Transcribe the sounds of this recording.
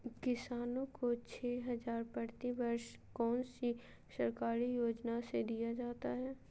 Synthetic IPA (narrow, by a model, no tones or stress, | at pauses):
kɪsaːnõkot͡ʃʰɛːɦɐzaːɾpəɾt̪ibəɾʃ | kɔːnsi | sɐɾkaːɾijoːd͡ʒnased̪ijad͡ʒaːt̪aɦɛː